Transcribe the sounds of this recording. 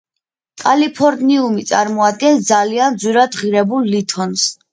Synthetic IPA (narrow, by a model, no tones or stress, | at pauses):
kʼalipʰɔɾniumit̪sʼaɾmɔad̪̚ɡɛnsd̪zaliand̪zwiɾad̪ʁiɾɛbulˠːit̪ʰɔns